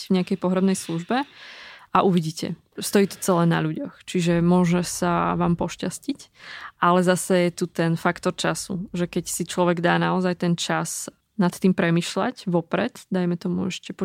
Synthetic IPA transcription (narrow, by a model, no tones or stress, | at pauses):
vɲɛakɛjpɔɦɾɛbnɛjsluʒbɛʔaʔuʋiɟiːcɛ̰ | st̪ɔjiːt̪ɔ̥t͡sɛlɛːna̰ʎuɟɔxt͡ʃiʒɛmʊɔʒɛsaʋaːmpɔʃcascicʔalɛzasɛjɛt̪ut̪ɛnfakt̪ɔɾt͡ʃasṵʒɛkɛcsit͡ʃlɔʋɛɡd̪aːnaɔzajt̪ɛnt͡ʃas | nat̪t̪iːmpɾɛmiːʃla̰ɟʋɔpɾɛd̪d̪ajmɛt̪ɔmuɛʃcɛpɔ